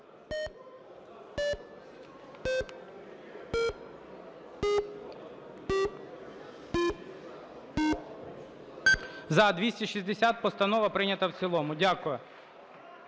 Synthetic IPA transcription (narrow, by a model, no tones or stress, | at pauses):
zɐd̪ʋʲisʲtʲiʃizʲd̪esʲat̪̚pɔst̪ɐnɔʋɐpɾɪnʲɐt̪ɐwt͡sʲilˠɔmʊdʲakʊjɛ